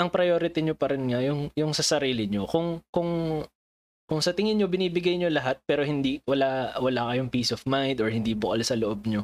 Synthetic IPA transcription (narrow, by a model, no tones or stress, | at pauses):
ʔɐŋpɾɐjoːɾɪt̪ɪɲopɐɾɪnŋɐjʊŋjʊŋsɐsɐɾiːlɪɲokʊŋkʊŋ | kʊŋsɐt̪ɪŋɪnɲobɪniːbɪɡajɲolɐɦat̪̚pɛːɾohɪnd̪iwɐlawɐlakɐjoŋpiːsɔfmajnd̪ɔɹhɪnd̪iːbʊkɐlsɐloʔo̞b̚ɲo